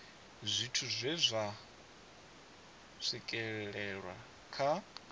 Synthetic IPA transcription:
zʷitʰuzʷɛzʷa | sikʼɛɺɛɺwa̰ | kʰa

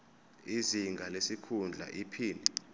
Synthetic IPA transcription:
iziŋɡʱalesikʰund͡ɮʱa̰ʔipʰiːnɛ

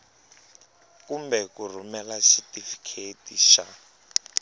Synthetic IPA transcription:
kumbɛkur̤umɛlasitʼifi̥kʰetiʃa

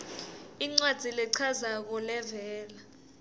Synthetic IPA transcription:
iŋ͡ǀwad̥ʱilɛǀʰazak̬ɔlɛvɛːla

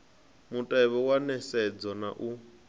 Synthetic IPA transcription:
mutʼaɛβɔwanɛsɛd͡zɔna̰ʔu

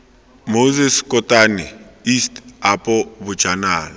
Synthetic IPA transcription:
mozɛskʼɔtʼanɛistʼapʼɔbʊ̥d͡ʒ̥ʱanaːla

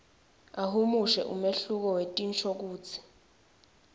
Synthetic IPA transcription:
aɦumuʃɛ̰ʔumeɬuk̬ɔwetʼint͡ʃʰɔk̬uːt͡sʰi̥

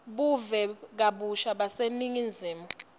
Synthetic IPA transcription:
ɓuvɛk̬aɓuʃaɓaseniŋind͡zʱiːmu

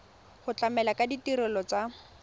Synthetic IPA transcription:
hʊt͡ɬʼamɛlakʼaditiɾɛlɔt͡sa

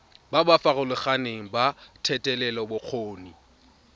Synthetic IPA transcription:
babafaɣʊlʊχaneŋ̩batʰɛtʼɛlɛlɔbʊq͡χʰoːni

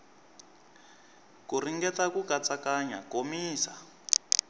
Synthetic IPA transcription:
kuriŋɡɛtakukat͡sakaɲakomiːsa

